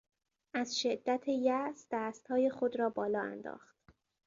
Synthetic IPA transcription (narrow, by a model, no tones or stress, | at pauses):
ʔæzʃed̪ːæt̪ʰejæsd̪̥æːst̪hɒːje̞xod̪ɾɒːbɒːlɒːæ̰nd̪ɒ̰ːxt̪̚